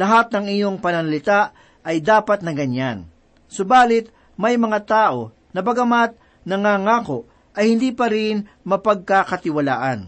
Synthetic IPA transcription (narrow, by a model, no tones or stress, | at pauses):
lɐɦat̪̚nɐŋɪɲoŋpɐnɐnɐlɪt̪aʔ | ɐjd̪aːpɐt̪̚nɐɡɐɲan | sʊbaːlɪt̪̚ | mɐjmɐŋat̪aːʔo̞ | nɐbɐɡɐmat̪̚ | nɐŋaːŋaːkoʔ | ʔɐjhɪnd̪iːpɐɾɪn | mɐpɐɡ̚kakɐt̪ɪwɐla̰ːʔan